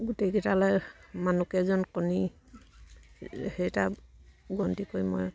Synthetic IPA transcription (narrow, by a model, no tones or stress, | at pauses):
ɡutejkɛtalɔjmanukɛzɔnkɔni | hejtaɡɔntikojmɔ̰j